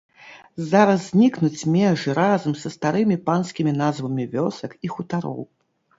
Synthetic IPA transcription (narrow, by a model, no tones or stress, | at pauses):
zaɾɐzːʲnʲiknut͡sʲmʲɛʐɨɾazɐmsɐst̪aɾɨmʲipanskʲimʲinazvɐmʲivʲɔsɐkixut̪aɾɔ̰w